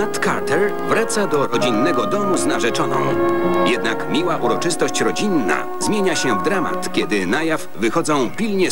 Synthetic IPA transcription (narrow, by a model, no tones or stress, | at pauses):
at̪ka̰ɾt̪ɛɾ | vɾat̪sad̪ɔɾɔd͡ʑinːɛɡɔd̪ɔmuznaʐɛt͡ʂɔnɔ̰̃w̃jɛd̪nakmʲiwaʔuɾɔt͡ʂɘst̪ɔɕt͡ɕɾɔd͡ʑinːa̰ | zmʲjeɲaɕɛvd̪ɾama̰t̪kʲɛd̪ɘnajafvɘxɔd̪zɔ̃w̃pʲilɲɛ